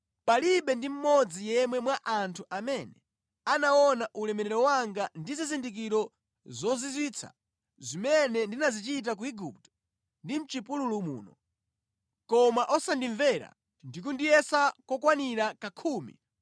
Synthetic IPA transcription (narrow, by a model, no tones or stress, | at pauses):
paliɓɛndim̩mɔd͡zijɛmwɛmwaʔantʰuʔamɛnɛ | anaɔnaʔulɛmɛɾɛɾɔwaŋɡandizizindik̬iɾɔ | zɔzizwiːt͡sʰa̰ | zimɛnɛndinazit͡ʃit̬ak̬uiɡup̚tɔ̥ | ndim̩t͡ʃipululumṵːnɔ̰ | kɔmaʔɔsandiɱvɛɾa̰ | ndik̬undijɛsakɔkwaniɾakakʰuːmḭ